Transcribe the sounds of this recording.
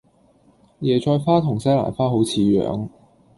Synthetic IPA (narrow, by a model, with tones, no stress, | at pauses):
jɛː˨˩t͡ʃʰɔː˧jfaː˥t̪ʰʊ˨˩ŋsɐ˥la̰ː˨˩nfaː˥ɦo˨˥wt͡sʰiː˨˧ɥœ̰ː˨˥ŋ